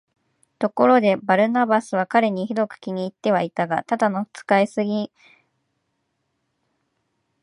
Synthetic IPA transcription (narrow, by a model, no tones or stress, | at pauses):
t̪o̞ko̞ɾo̞d̪e̞baɾɯ̟nabasɨβ̞akaɾe̞ɲ̟içid̪o̞kɯ̟̥kʲiɲ̟iːt̪ːe̞β̞ait̪aɡa̰t̪ad̪ano̞ɸɯ̟̥t͡sɨ̥kaisɨɡʲi